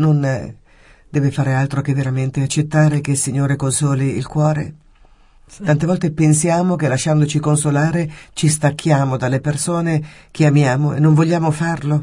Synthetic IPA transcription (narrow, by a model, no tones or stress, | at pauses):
non | d̪̥ɛːvefaːɾealt̪ɾokevːeɾament̪eat͡ʃːet̪ːaːɾekesiɲːoːɾekonsɔːliḭlkwɔːɾḛ | tt̪ant̪evɔlt̪epensjaːmokelaʃːand̪ot͡ʃikonsolaːɾet͡ʃist̪akːjaːmod̪alːepersoːnekeamjaːmoḛnːoɱvoʎːaːmofarlo